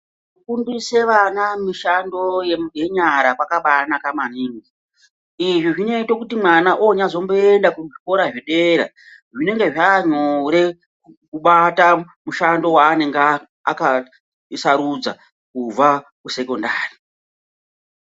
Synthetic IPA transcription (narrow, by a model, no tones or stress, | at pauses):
ʐukundise̞ʋanamiʃando̞jemɡʱeɲaɾakwakaɓanakamaniːŋɡi | iʐiʐine̞itokutimwanaʔoɲazo̞mbo̞endakuʐiko̞ɾaʐiɗe̞ɾa̰ | ʐine̞ŋɡe̞ʐaːɲoɾe̞ | kuɓata | muʃando̞waːne̞ŋɡ | a̰ka | saɾud͡za̰ | kuvakuse̞ko̞ndaːri